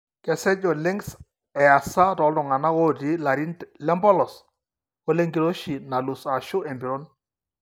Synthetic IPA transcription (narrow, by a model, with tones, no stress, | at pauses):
kɛ˨sɛ˦d͡ʒɔ˨le˦ŋs | ɛ˨a˨sa˦ɾɔ˨˦ldɔ˨ŋa˨na˦o˦di˦la˨ɾi˦nlɛ˦mbɔ˦lɔ˨s | o˦le˦ŋɡi˨ɾo˦ʃi˨na˨lʊ˨sa˨ʃʊ˦e˨mbi˨ɾo˦n